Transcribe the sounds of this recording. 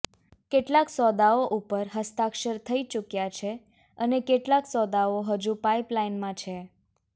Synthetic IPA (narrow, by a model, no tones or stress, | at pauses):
keʈlaksɔd̪aoʔupəɾɦəst̪akʃəɾt̪ʰəit͡ʃukjat͡ʃʰe | ənekeʈlaksɔd̪aoɦəd͡ʒũpaiplainmãt͡ʃʰe